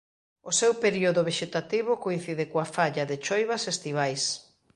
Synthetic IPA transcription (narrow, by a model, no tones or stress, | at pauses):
ʊsewpeɾioðʊβeʃet̪at̪iβ̞ʊkoin̟θiðɪkoafaʎaðɪt͡ʃojβasest̪iβajs